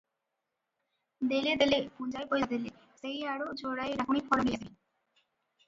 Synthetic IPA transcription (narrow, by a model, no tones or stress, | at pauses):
d̪eled̪elepund͡ʑajpojesd̪ele | sejaɽod͡ʑʱoɽaeɾakʰumikfʰɔlonijasi